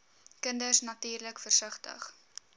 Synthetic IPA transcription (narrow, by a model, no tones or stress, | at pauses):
kəndərsnɐtiːrləkfərsəχtə̰χ